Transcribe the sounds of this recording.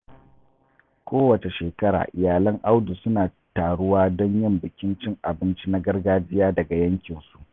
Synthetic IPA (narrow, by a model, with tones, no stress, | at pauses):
kʷoː˦wɐ˨t͡ʃe˨ʃeː˨kɐ˦ɽa̰ː˨ʔɪ˨jaː˨lɐ˦ŋʔa˦wdu˨sʊ˦naː˨ | taː˨ɽʊ˦waː˦dɔ˦ɲjɪ˦˨mbɪ˨kʲɪ˦nt͡ʃɪ˦ŋʔa˨bɪ˦nt͡ʃi˦na˦ɡɐ˦rɡaː˦d͡ʒɪ˦jaː˦dɐ˨ɡa˨jɐ˦ŋkʲɪ˨nsu̥˦ʔ